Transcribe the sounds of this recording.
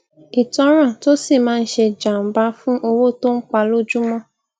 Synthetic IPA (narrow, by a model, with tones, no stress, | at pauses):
i˨tɔ˦ɾ̃ã˦˨to˦si˦˨mãː˦˧n̩˦ʃe˧d͡ʒa˨m̩˨ba˦fũ˦ʔo˧wo˦to˦ŋ̩˦k͡pa˧lo˦d͡ʒu˦mɔ̃˦